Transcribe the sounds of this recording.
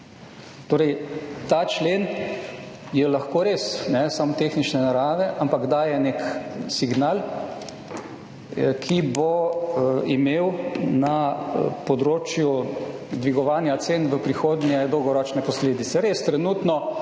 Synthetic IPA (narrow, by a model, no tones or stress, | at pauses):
t̪oːɾɛjt̪aːt͡ʃleːn | jɛlɐxkoːɾeːsnɛsamt̪exnit͡ʃnɛnaɾaːʋɛʔampaɡd̪aːjɛneksiɡnaːl | kʰibo | imeːwnapɔd̪ɾoːt͡ʃjud̪ʋiɡɔʋaːnjat̪seːnʋəpɾixoːd̪njɛd̪ɔwɡɔɾɔːt͡ʃnɛpɔsleːd̪it̪sɛɾeːst̪ɾɛnuːt̪nɔ